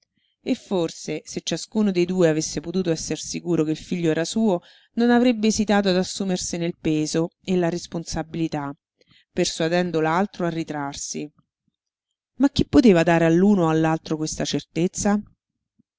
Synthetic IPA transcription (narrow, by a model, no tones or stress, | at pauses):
efːorseset͡ʃːaskuːnod̪ejd̪uːeavesːepot̪uːt̪oɛsːersikuːɾokeilfiʎːoɛːɾasuːo | nonavɾebːeːzit̪aːt̪̬oad̪asːuːmersenelpeːzoelːaɾesponsabilit̪a | pːersuad̪ɛnd̪olalt̪ɾoarːit̪ɾarsi | mak̟ːipːot̪eːvad̪aːɾealːuːnoalːalt̪ɾokwest̪at͡ʃert̪et̪sːa